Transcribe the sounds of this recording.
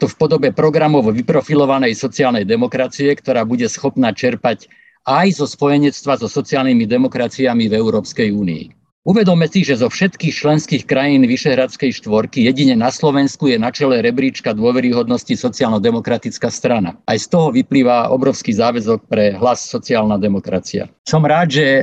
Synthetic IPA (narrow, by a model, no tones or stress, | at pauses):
t̪ɔfpɔd̪ɔbɛpɾɔɡɾamɔʊʋipɾɔfilɔʋanɛjsɔt͡siaːlnɛjd̪ɛmɔkɾat͡siɛkt̪ɔɾaːbuɟɛsxɔpnat͡ʃɛɾpac | ajzɔspɔjɛɲɛt͡st̪ʋazɔsɔt͡siaːlnimid̪ɛmɔkɾat͡siamivɛuɾɔːpskɛjuːnḭḭ | uʋɛd̪ɔmɛsiʒɛzɔfʃɛt̪kiːxt͡ʃlɛnskiːxkɾajiːnʋiʃɛɦɾat͡skɛjʃt̪ʋɔɾkijɛɟiɲɛnaslɔʋɛnskujɛnat͡ʃɛlɛɾɛbɾiːt͡ʃkad̪ʊɔʋɛɾiɦɔd̪nɔscisɔt͡siaːlnɔd̪ɛmɔkɾat̪it͡skast̪ɾana̰ajst̪ɔɦɔʋipliːʋaɔ̰bɾɔʊskizaːʋɛzɔk̚pɾɛɦlasːɔt͡siaːlnad̪ɛmɔkɾat͡sia̰sɔmɾaːd̪ʒɛ